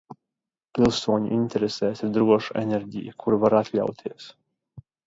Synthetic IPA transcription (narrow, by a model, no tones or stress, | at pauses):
pʲilˠsuɔɲṵʔint̪ɛɾesɛːsiɾd̪ɾuɔʃuɛ̰nʲɛɾʲɟḭjəkʰuɾvaɾat̪lʲa̰wt̪ʰiɛs